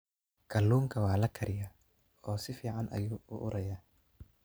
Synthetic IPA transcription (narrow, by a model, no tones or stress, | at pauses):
kʰɐlːuːŋkʰɐwɑːlɐkʰɐɾɪjɐ | ɔːsɪfiːʕɑnʔɐ̰juːʊ̰ʔʊɾʔɐjaː